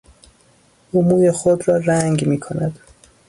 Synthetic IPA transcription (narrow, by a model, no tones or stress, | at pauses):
umuːjexod̪ɾɒːræŋɡmiːkʰo̞næd̪̥